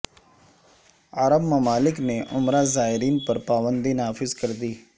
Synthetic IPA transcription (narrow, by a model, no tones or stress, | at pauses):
aɾəbməmaːlɪkneʔʊmɾazaːɦɪɾiːnpəɾpaːbənd̪inaːfɪzkəɾd̪iː